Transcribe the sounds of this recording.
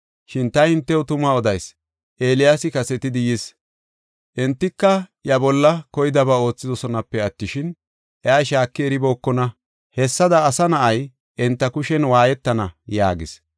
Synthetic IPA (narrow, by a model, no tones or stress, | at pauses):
ʃɪnt̪ɐjhɪnt̪ːɛwʊt̪ʊmaɔd̪ɐjs | ʔe̞ːlɪjaːsɪkɐsɛt̪ɪd̪ɪjis | ʔɛnt̪ːɪkːɐjɐbɔlːɐkɔjɪd̪ɐbao̞ːt͡sːɪd̪ɔsɔnɐpːɛɐt̪ːɪʃɪn | ʔɛaːʃaːkːɪɛɾɪbo̞ːkːɔnɐ | hɛsːɐd̪ɐːsɐnɐʔɐj | ʔɛnt̪ːɐkʊʃɛnwaːjɛt̪ːɐnɐja̰ːɡɪs